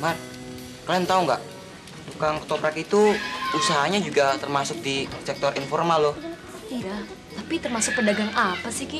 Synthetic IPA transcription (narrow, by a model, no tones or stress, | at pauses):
mar̚ | kalaŋt̪auŋɡaʔ | dukaŋkə̥t̪opɾakit̪uusaɦaɲad͡ʒuɡat̪ərmasʊk̚disɛk̚t̪ɔrinfɔrmalːʊh | ia | t̪apit̪ərmasʊk̚pədaɡaŋapasɪhki